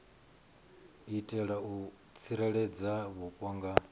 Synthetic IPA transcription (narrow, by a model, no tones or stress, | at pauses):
itʼɛɺau | t͡sʰiɾɛɺɛd͡zaβukʼwaŋɡa